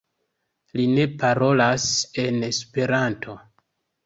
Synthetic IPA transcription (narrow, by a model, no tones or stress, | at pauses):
line̞paɾo̞lase̞ne̞spe̞ɾantʰo̞